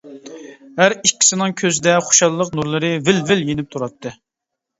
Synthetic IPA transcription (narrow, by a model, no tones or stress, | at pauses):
ɦæɾikʲːi̥sɪnɨŋkʲʰøzɪd̪ɛχo̥ʃɑlːˠəqnuɾlˠɨɾɨvɪlvɪljenɪp̚t̪ʰuɾɑt̪ʰːɨ